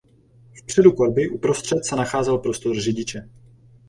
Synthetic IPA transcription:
fpr̝̥ɛdukoɾbɪʔupɾo̞st̪r̝̥ɛt̪sɛnaxaːzɛlpɾo̞st̪orrɪɟɪt͡ʃɛ

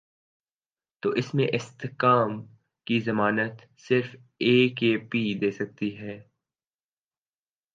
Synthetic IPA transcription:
t̪oːʔɪsmẽʔɪst̪ɪkaːm | kizɐmaːnət̪ | sɪɾf | eːkeːpid̪eːsɐk̚t̪iɦɛː

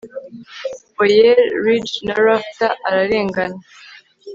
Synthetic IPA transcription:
ojeɾːid͡ʒnaɾaftaʔaɾaɾe̞ːŋɡana

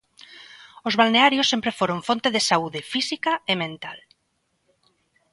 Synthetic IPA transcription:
ozβalneaɾjosːempɾefoɾoɱfont̪eðesauðefisikaemẽnt̪al

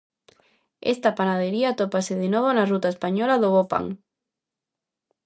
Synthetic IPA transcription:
ḛst̪apanað̞eɾiat̪opaseðenoβ̞onarut̪aespaɲolaðoβopa̰ŋ

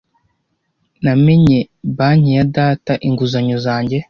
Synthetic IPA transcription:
namiɲe | baːɲijadaːtaʔiŋɡuzaɲozaːɲɟe

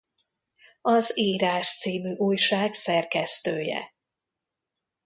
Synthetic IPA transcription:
ɒzeːɾaːʃt̪siːmyːʔuːjʃaːɡsɛrkɛst̪øːjɛ̰

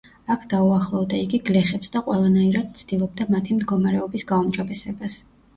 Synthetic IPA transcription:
akʰd̪auaχlˠɔvd̪aiɡiɡlɛχɛpsd̪aqʼwɛlˠanaiɾad̪̥̚t̪sʰd̪ilˠɔb̚d̪amat̪ʰimd̪ɡɔmaɾɛɔbisɡaumd͡ʒɔbɛsɛbas

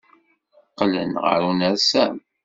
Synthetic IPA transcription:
qːlənʁə̰ɾunəɾsæm

